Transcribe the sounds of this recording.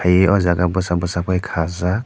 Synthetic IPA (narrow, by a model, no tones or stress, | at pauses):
ajeɔzaɡabɔsabɔsapʰɔjkʰaza